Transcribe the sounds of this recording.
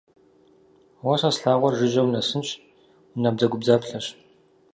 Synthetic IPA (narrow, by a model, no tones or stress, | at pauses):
wɐɕasɬaːʁʷɔrʒɪʑɐwnɐsɨnt͡ʃ | nab̚zɐɡʷʊbzaːpɬɐɕ